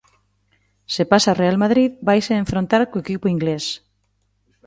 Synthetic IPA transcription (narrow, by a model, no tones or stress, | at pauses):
sepasarealmaðɾiðbajseːɱfɾõnt̪aɾkoekipʊiŋɡles